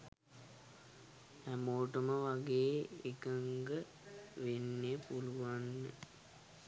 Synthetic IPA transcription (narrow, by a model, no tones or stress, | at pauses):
æmoːʈəməʋaɡeːekəŋɡə | ʋenːepuluʋanːə̰